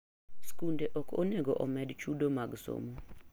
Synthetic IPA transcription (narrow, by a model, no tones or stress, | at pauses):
skundeʔɔkʰo̰neɡoʔɔmɛdt͡ʃudomaɡso̰mo